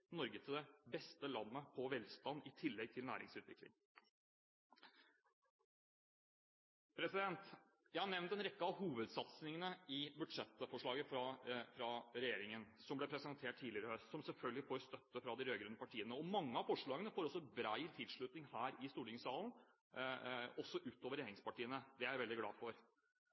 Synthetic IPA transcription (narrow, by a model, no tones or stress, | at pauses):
nɔɾɡət̪ʰɪd̪ɛbɛst̪əlɑnːəpʰɔʋɛlst̪ɑnɪt̪ʰɪlːɛɡ̚t̪ʰɪlnæ̰ːɾɪ̰ŋsʉːt̪ʋɪ̰klɪ̰ŋ | pʰɾɛsɪd̪ɛnt̪ | jæɪhɑɳɛʋnt̪ɛnɾɛkːəɑʋɦuːʋəd̪sɑt̪snɪŋənəɪbʉɖʂɛt̪ːfɔʂɭɑːɡəfɾɑfɾɑɾɛjeːɾɪŋənsɔmblɛpʰɾɛsənt̪ʰeːʈ̚t̪ʰiːlɪəɾəsɔmsɛlfœlɡəlɪfoːɾst̪œt̪ːəfɾɑd̪ɪɾøːɡɾʉnːəpɑʈʰiːənəɔmɑŋːəɑʋfɔʂɭɑːɡənəfoːɾɔsːɔbɾæɪt̪ʰɪd̪ʂɭʉt̪nɪŋhæːɾɪst̪uːʈɪŋsɑːln̩ | ɔsːɔʔʉːt̪oːʋəɾjeːɾɪŋspɑʈiːənəd̪ɛæʋɛld̪ɪɡlɑ̰ːd̪fɔɾ